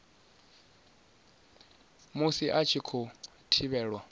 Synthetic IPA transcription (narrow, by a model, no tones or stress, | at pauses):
musiʔat͡ʃʰikʰɔ | tʰiβɛːɺwa